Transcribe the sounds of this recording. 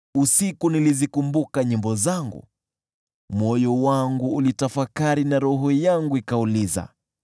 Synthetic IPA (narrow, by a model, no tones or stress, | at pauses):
usikunilizikumbukaɲimbɔzaŋɡṵ | mɔjɔwaŋɡuːlitafakaɾinaɾɔɦɔjaŋɡuikauliza̰